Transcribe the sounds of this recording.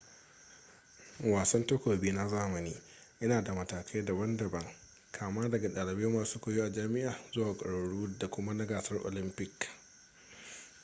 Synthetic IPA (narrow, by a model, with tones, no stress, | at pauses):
waː˨sɐ˦nto˦kʷoː˨biː˦na˦zaː˦mɐ˨niː˦ | ʔɪ˦naː˨da˨mɐ˨taː˨kʰa˦jda˨bɐ˦ndɐ˨bɐ˦ŋ | kʰaː˨maː˦dɐ˨ɡa˨ɗaː˨lɪ˨beː˦maː˨suː˦kʷoː˨joː˦ʔa˨d͡ʒaː˦mɪ˦ʔaː˨zʊ˦waː˨kʼɐ̰˨ɽɐ˨ɽuː˦da˨kʷʊ˦ma˦nɐ˦ɡaː˨sɐ˦rʔo̰ː˨lɪ˦mpɪ˨k